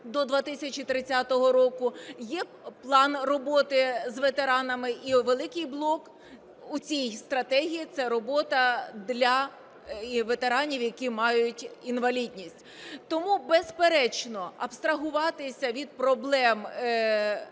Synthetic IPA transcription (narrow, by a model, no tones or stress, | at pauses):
d̪ɔd̪ʋat̪ɪsʲɐt͡ʃit̪ɾɪt͡sʲat̪ɔɦɔɾɔkʊjɛ | plˠɑnrɔbɔt̪ɪzʋet̪eɾɑnɐmɪʔiʋelˠɪkɪjblˠɔk | ut͡sʲijst̪ɾɐt̪ɛɦʲijit̪sɛɾɔbɔt̪ɐd̪lʲɐ | ʋet̪e̞ɾɑnʲiwjɐkʲimɑjʊtʲinʋɐlʲidʲnʲisʲtʲ | t̪ɔmubɛspeɾɛt͡ʃnɔɐpst̪ɾɐɦʊʋɑt̪ɪsʲɐʋʲid̪̚pɾɔblˠɛm